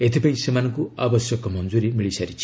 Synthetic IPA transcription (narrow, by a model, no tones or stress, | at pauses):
et̪ʰipaĩsemanɔŋkuabɔsjɔkɔmɔnd͡ʒuɾimiɭisaɾit͡ʃʰi̥